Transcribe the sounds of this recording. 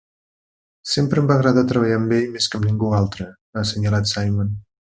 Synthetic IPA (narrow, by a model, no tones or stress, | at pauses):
sempɾəmbaɣɾəðat̪ɾəβ̞əʎambeʎmeskəmniŋɡualˠt̪ɾə | asəɲəlat̪sajmən